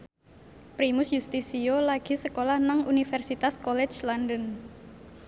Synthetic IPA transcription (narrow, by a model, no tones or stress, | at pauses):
pɾimʊsjust̪isiolaɡ̥i̤səkolahnaŋunifɛrsit̪askɔlɛt͡ʃlandən